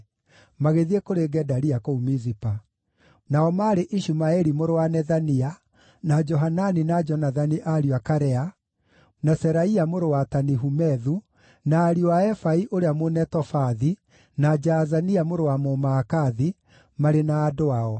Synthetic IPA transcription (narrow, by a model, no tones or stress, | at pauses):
maɣeðiekoɾeɡɛdaɾiakoumizipa | naɔmaɾeʔiʃumaɛɾimoɾowanɛðania | nad͡ʒɔɦananinad͡ʒɔnaðaniʔaɾiakaɾɛa | nasɛɾaiamoɾowataniɦumɛðu | naːɾiɔwaɛfaiʔoɾeamonɛtɔfaði | nad͡ʒazaniamoɾowamomaːkaði | maɾenaːdoaɔ